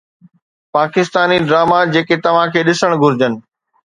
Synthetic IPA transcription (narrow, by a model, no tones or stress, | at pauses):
paːkɪst̪aːniɖɾaːmad͡ʑeːket̪ɐʋ̤ãkʰeːɗɪsəɽ̃ɡʱʊɾɪd͡ʑənɪ̆